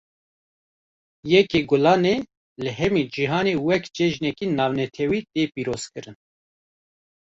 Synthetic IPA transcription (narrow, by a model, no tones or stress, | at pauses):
jɛkeːɡʊlɑːne | lɨɦɛmid͡ʒiɦɑːnewɛkt͡ʃɛʒnɛkinɑːvnɛt̪ʰɛwiːt̪eːpiːɾoːz̥kɨɾɨn